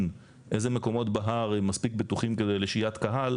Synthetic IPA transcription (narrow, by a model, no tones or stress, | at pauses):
n | ʔezemeko̞mo̞tbaɦaʁemːaspik̚bet̪uχimke̞d̪ejleʃijat̪kaɦal